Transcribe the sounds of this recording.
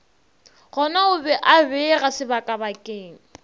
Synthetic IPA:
ɣɔnaʊbɛʔabɛɣasɪbakʼabakʼeːŋ̩

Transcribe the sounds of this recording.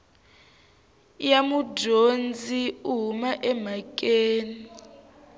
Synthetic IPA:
jamudond͡zʱiuɦumaʔɛm̤ak̬ʼeːni

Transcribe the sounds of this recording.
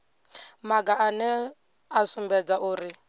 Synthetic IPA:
maɡaʔanɛ | asumbɛd͡zaʔuːɾi

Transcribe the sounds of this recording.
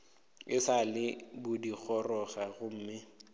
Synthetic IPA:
ɪsalɪbʊdik͡xʰɔrɔɣaɣʊm̩ːmɪ

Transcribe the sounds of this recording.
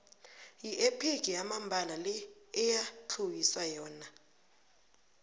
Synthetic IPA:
jiʔepʰeɡ̥̬ʱʼiamambʱalalɛɛjat͡ɬʰuwiswajɔːna

